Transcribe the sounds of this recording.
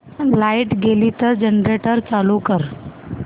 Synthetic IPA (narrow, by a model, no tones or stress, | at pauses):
laiʈɡelit̪əɾd͡ʑənɾeʈəɾt͡salukəɾ